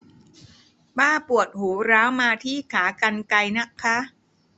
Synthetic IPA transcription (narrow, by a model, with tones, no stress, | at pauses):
baː˥˩pu˨˩ət̪̚huː˩˦ɾaː˦˥wmaː˧t̪ʰiː˥˩kʰaː˩˦ka˧nka˧jna˦˥kʰːa˦˥